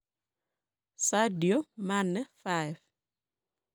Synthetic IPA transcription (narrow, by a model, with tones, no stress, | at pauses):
sa˦djo˦ma˦nːɛ˦fajv